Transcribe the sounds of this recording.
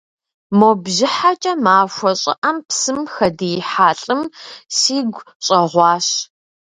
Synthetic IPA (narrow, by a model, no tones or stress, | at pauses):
mobʒɪħat͡ʃʼɐmaːʃʷɔɕʼɪ̰ʔɐmpsɨmxɐdiħaːɬʼɨmsiːɡʷ | ɕʼɐʁʷɑːɕ